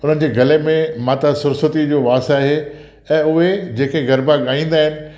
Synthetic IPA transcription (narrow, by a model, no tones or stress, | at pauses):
ʊn̤ənɪ̆d͡ʑeːɡʱɐlemẽmãːt̪asʊɾsət̪id͡ʑoːʋaːstaːɦe | ɛ̃ːʊɦed͡ʑeːkeɡɐɾbaɠaːĩːnd̪aːɦɪnɪ̆